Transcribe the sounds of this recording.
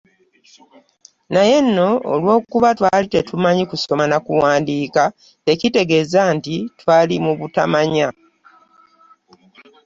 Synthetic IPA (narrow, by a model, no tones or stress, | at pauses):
naje̞nːo̞̰ːlwo̞ːkuβatwaːlite̞tumaɲikuso̞manakuwaːndiːka | te̞cite̞ɡe̞ːzantitwaːlimuβuta̰maɲa